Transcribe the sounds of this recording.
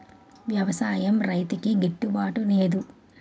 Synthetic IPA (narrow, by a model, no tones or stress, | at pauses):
ʋjɐʋɐsaːjɐmɾɐjt̪ikiɡeʈːubaːʈule̞ːd̪u